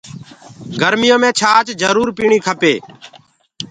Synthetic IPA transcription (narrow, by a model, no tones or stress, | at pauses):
ɡəɾmɪjõːmẽːt͡ʃʰaːt͡ʃd͡ʒəɾuːɾpiːɳiːkʰəpeː